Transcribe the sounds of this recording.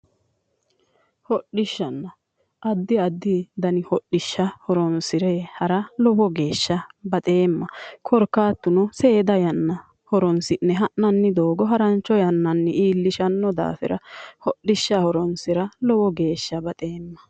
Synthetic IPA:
hɔɗɪʃːɐnːɐ | ʔɐd̪ːɪɐd̪ːɪd̪ɐnɪhɔɗɪʃːɐhɔɾɔnsɪɾehɐɾɐlɔbɔɡe̞ːʃːɐbɐt̪ʼe̞ːmːɐkʰɔɾkːaːt̪ːʊnɔse̞ːd̪ɐjɐnːɐ | hɔɾɔnsɪnːɛɦɐʔnɐnːɪd̪oːɡɔɦɐɾɐnt͡ʃːɔjɐnːɐnːɪʔiːlːɪʃɐnːɔd̪a̰ːfɛ̰ɾɐhɔɗːɪʃːɐhɔɾɔnsɪɾɐlɔwɔɡe̞ːʃːɐbɐt̪ʼe̞ːmːɐ

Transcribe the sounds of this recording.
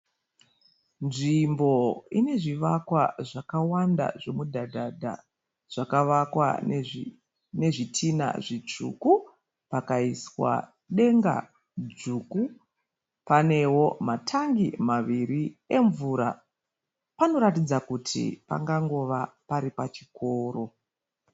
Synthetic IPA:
nʐimbo̞ine̞ʐiʋakwaʐakawanda̰ʐe̞mudʱadʱadʱa̰ | ʐ̥akaʋakwa̰ | ne̞ʐitʰina̰ʐit͡ʂṵku | pakaiswa̰ | ɗe̞ŋɡa̰ | d͡zuːku | pane̞wo̞matʰaŋɡimaʋiɾie̞ɱvuːɾa̰ | pano̞ɾatid͡zakutʰḭpa̰ŋɡaŋɡo̞ʋapaɾipat͡ʃi̥ko̞ːro̞

